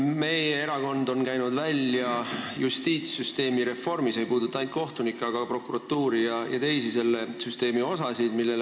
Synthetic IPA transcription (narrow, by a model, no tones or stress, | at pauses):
me̞jee̞ɾɑko̞nd̪o̞nkæjnud̪vælʲjɑjust̪iːt̪syst̪e̞ːmiɾe̞fo̞rmise̞jpuːd̪ut̪ːˑɑɑjnt̪̚ko̞ht̪unikːˑeɑɡ̥ɑpro̞kːuɾɑt̪ːuːɾijɑjɑ̰t̪e̞jsise̞lːe̞syst̪e̞ːmio̞sɑsid̪̥milːe̞l